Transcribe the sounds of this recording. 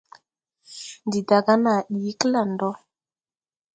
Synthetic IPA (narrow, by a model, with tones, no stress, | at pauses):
ndi˨da˨ɡa˦na˨ɗi˨˦kla˦˨ndɔ˦